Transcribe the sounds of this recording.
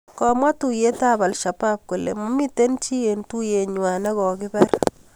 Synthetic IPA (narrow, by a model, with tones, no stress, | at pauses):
kɔ˨mwa˦tu˨je˦ta˦ba˨lʃa˨pa˦p̚ko˨lḛ˨mɔ˦mi˦te˦nt͡ʃi˦je˨ntu˦je˨ɲwa˨nɛ˦kɔ˨kɪ˦bɛ˦r